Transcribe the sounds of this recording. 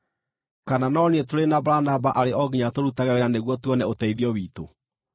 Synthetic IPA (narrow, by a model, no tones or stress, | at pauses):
kananɔniɛtoɾenabaɾanabaʔaɾeʔɔɡiɲatoɾutaɣɛweɾaneɣwɔtwɔnɛotɛiðiɔwiːto